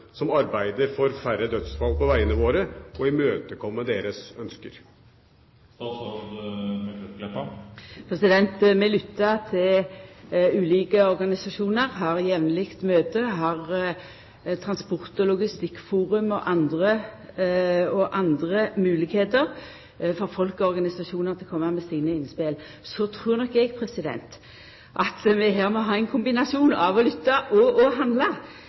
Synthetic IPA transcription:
sɔmɑɾbæɪd̪əɾfɔɾfæɾəd̪œt̪sfɑlpɔʋæɪənəʋoːɾəɔɪmøːt̪əkʰɔmːəd̪eːɾəsœnskəɾ | pʰʁɛsɪd̪ɛnt̪mɛlʏt̪ːɑt̪ʰɪl | ʉːliːkəɔʁɡɑnɪsɑʃuːnəʁɦɑːʁjɛʋnlɪkt̪møːt̪əɦɑʁ | t̪ʰʁɑnspɔʁt̪ɔlʊɡɪst̪ɪkːfuːʁʉmɔʔɑnd̪ʁə | ɔʔɑnd̪ʁəmʉːlɪɡheːt̪əʁ | fɔʁfɔlkɔɔʁɡɑnɪsɑʃuːnəʁt̪ʰɪlkʰɔmːəmɛsiːnəɪnspel | sɔt̪ʰʁʉːʁnɔkːɛɡpʰʁɛsɪd̪ɛ̰nt̪ | ʔɑt̪mɛɦæːʁmɔɦɑːɛnkʰʊmbɪnɑsuːnɑ̰ʋɔlʏt̪ːɑʔɔɔɦɑnd̪lɑ

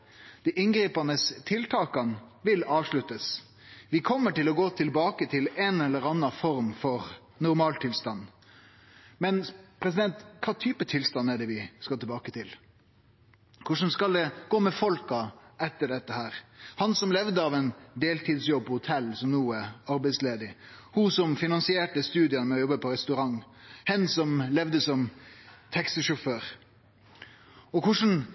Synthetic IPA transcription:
d̪̥ɛʔɪnɡɾiːpɑnəst̪ʰɪlt̪ʰɑːkɑnʋɪlɑːʋʂɭʉt̪ːəs | ʋɪkʰɔmːəʈɪlɔɡoːt̪ʰɪlbɑːkət̪ʰɪlɛnɛlːəɾɑnːɑfɔɾmfɔɾ | nʊɾmɑːlt̪ʰɪlst̪ɑnː | mɛnpʰɾɛs̬ɪd̪ɛnt̪kʰʋɑːt̪ʰyːpət̪ʰɪlst̪ɑnːæɖɛʋɪskɑt̪ɪɛbɑːkət̪ʰɪl | kʰʊʂənskɑld̪ɛɡ̥oːmɛfɔlkɑʔɛt̪ːəɖɛt̪ːəhæːɾhɑnsɔmlɛʋd̪əɑʋɛnd̪eːlt̪ʰiːd̪sjɔb̚pɔhʊt̪ʰɛlsɔmnuːæɑɾbɛɪsleːd̪ɪhʊsɔmfɪnɑnsɪeːʈəst̪ʉːd̪ɪənmɛɔjɔbːəpʰɔɾɛst̪ʉɾɑŋhɛnsɔmlɛʋd̪əsɔmt̪ʰɛksəʂʊføːɾ | ɔkʊʂn̩

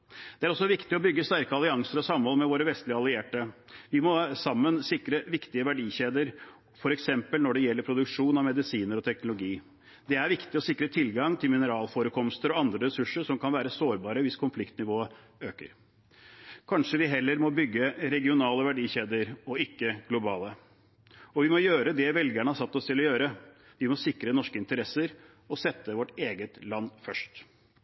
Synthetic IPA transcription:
d̪̥ɛæɾɔsːɔʋɪkt̪ɪɔbʏɡːəst̪æɾkəɑlɪɑŋsəɾɔsɑmːhɔlmɛʋoːɾəʋɛst̪lɪəɑlɪeːʈəʋɪmɔsɑmːənsɪkɾəʋɪkt̪ɪəʋæɖiːçeːd̪əɾ | fɔɾɛksɛmpəlnɔɖɛjɛlːəɾpʰɾʊd̪ʉkʂuːnɑʋmɛd̪ɪsiːnəɾɔt̪ʰɛknʊlʊɡiː | d̪ɛæɾʋɪkt̪ɪɔsɪkɾət̪ʰɪlɡɑŋt̪ʰɪlmɪnəɾɑːlfoːɾəkʰɔmst̪əɾɔɑnd̪ɾəɾɛsʉʂəʂɔmkʰɑnʋæːɾəsoːɾbɑːɾəʋɪskʰʊnflɪkt̪nɪʋoːə | øːkə̰ɾ | kʰɑnʂəʋɪɦɛlːəɾmɔbʏɡːəɾɛɡɪʊnɑːləʋæɖiːçeːd̪əɾɔɪkːəɡlʊbɑːlə | ɔʋɪmɔjøːɾəd̪ɛʋɛlɡæɳəhɑsɑt̪ːɔst̪ʰɪlɔjøːɾə | ʋɪmɔsɪkɾənɔʂkəɪnt̪əɾɛsəɾ | ɔsɛt̪ːəʋɔʈeːɡət̪lɑnːfœʂʈ

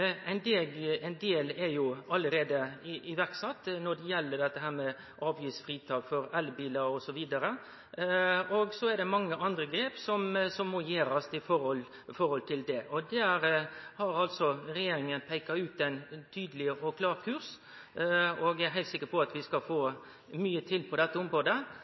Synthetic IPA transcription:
æɪnd̪eːɡæɪnd̪eːlɛɾjʊɑlːəɾeːd̪əɪɪʋæɾksɑt̪ːnɔd̪ɛjɛlːəɖ̪ɛt̪ːəɦæːɾmɛ | ʔɑːʋjɪsfɾiːt̪ʰɑːɡfɔɾɛlbiːlɑɾɔsɔʋiːd̪ɑɾə | ɔɡsɔɛɾd̪ɛmɑŋːəʔɑnd̪ɾəɡɾeːpsɔmsɔmːoːjeːɾɑst̪ɪfɔɾɔl | fɔɾhɔlt̪ʰɪld̪ɛʔɔd̪æɾhɑɾɑlsɔɾɛjeːɾɪŋənpʰæɪkɑʉːt̪ɛnt̪ʰyːd̪əlɪɔkʰlɑːɾkʰʉɾs | ɔɡæɾɦæɪlsɪkːəɾpɔɑt̪ʋɪskɑfoː | myːət̪ʰɪlpʰɔd̪ɛt̪ːəɔmɾoːd̪ə

